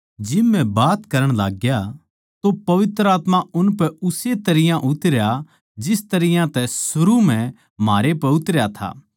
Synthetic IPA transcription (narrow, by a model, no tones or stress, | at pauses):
d͡ʒɪbːɛ̃baːt̪kɐɾəɽ̃laːɡja | t̪opɐʋɪt̪ɾəaːt̪maʊnpɛʊset̪ɐɾɪjãʔʊt̪ɾeja | d͡ʒɪst̪ɐɾɪjãt̪ɛsʊɾum̤ɛ̃ | maːɾepɛʊt̪ɾɪjat̪ʰa̰ː